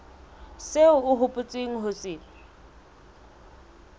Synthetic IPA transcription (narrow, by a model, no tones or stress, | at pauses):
seʊʊɦʊpʼʊt͡sʼeŋ̩ɦʊt͡sʼɪːlɪ